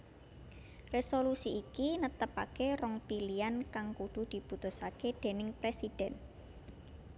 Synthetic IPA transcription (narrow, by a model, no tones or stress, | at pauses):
resolusiːkinət̪əpakerɔŋpiliankaŋkuɖ̪̥ṳd̪̥i̤b̥ut̪ʊsaked̪̥e̤nɪŋpɾesid̪̥ɛn